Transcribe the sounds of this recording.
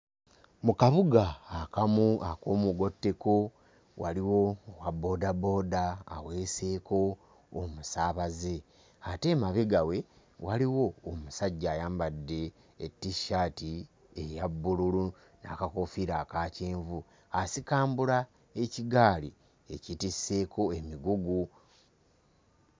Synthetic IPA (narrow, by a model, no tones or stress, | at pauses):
mukaβuɡaːkamuʔako̞ːmuɡo̞tːe̞ko | waliwo̞ːwabːo̞ːdabo̞ːda̰ːwe̞ːseːko̞ː | musaːβaze̞ | ate̞maβeɡawe̞ | waliwo̞ːmusaɟːaːjaːmbadːe̞ː | tːiʃaːti | ejabːululu | na̰kako̞fiɾakaːceːɱvu | asikaːmbula | e̞ciɡaːli | e̞citisːe̞ːkʰo̞emiɡuɡu